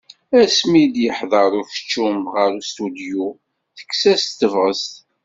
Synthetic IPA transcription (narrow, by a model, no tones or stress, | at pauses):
æsmid̪jəħðˤɑɾˤʊɾfə̥t͡ʃːumʁəɾust̪ud̪ju | θə̥kːsæst̪ːəvʁəst̪